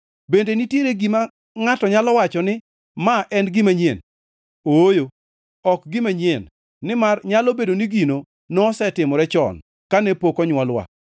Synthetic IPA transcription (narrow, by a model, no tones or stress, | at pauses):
bendenitjeɾeɡima | ŋatɔɲalɔwat͡ʃɔnɪ | maʔɛnɡɪmaɲjḛn | ojo | ɔkɡɪmaɲenː | ɪmarɲalobedoniɡino | nɔsɛtɪmɔɾɛt͡ʃɔ̰n | kanɛpokɔɲwɔlwa̰